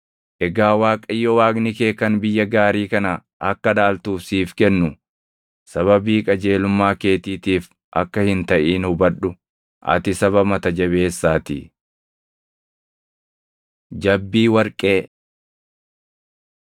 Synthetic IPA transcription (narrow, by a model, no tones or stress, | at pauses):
ʔɛɡaːwaːkʼɐjːɔwaːɡnɪkeːkɐnbɪjːɐɡaːɾiːkɐnɐ | ʔɐkːɐdaːlt̪uːfsiːfkɛnːʊ | sɐβɐbiːkʼɐd͡ʒe̞ːlʊmːaːke̞ːt̪iːt̪iːf | ʔɐ̰kːɐhɪnt̪ɐʔiːnhʊbɐᶑʊ | ʔɐ̰t̪ɪsɐβɐmɐt̪ɐd͡ʒɐβe̞ːsːaːt̪ɪ̰ | d͡ʒɐbːiːwɐɾkʼe̞ː